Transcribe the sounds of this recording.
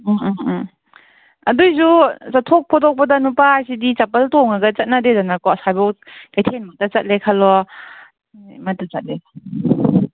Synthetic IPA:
ɐdujs̬usatʰɔk̚pʰɔtʰɔk̚pɐdanupaːjsidit͡ʃapɐltɔŋaɡɐt͡sɐt̚nadezanakɔsajbɔwkajtʰenmatat͡ʃɐt̚lekʰalɔ | mɐtat͡sat̚le

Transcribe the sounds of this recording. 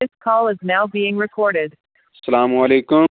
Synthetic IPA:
ɪskʰɔlˠɨznaʊbiɪ̃ŋɹɨkʰɔɹɾɪd̥ | sɐlaːmɐleːkʊ

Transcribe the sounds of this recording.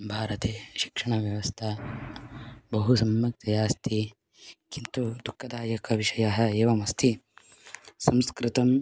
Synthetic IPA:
bʱaːɾɐt̪eːʃi̥kʂɐɳ̃ɐʋjɐʋɐst̪ʰɐ | bɐɦusɐmjɐk̚t̪ɐjaːst̪ʰi | kint̪ud̪ukʰːɐd̪aːjɐkɐʋiʂɐjɐɦɐ̆eːʋɐmɐst̪ʰi | sɐmskɾit̪ɐm

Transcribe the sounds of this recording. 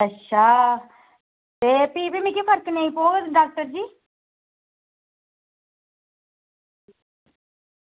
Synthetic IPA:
əʃʰaː | beːpiːbimĩkepʰəɾknəĩpoːɡd̪ɖaːk̚ʈəɾd͡ʒiː

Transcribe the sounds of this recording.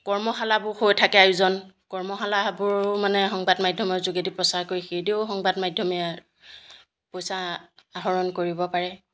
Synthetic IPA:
kɔɹmɔɦalabʊɹxojtʰakɛajuzɔnkɔɹmɔxalabʊɹmanɛxɔŋbadmajdʱɔmɔɹzuɡedipɹɔsaɹkoɹixejdeʊxɔŋbadmajdʱjɔmia | pojsaaɦɔɹɔnkoɹibɔpaɹɛ

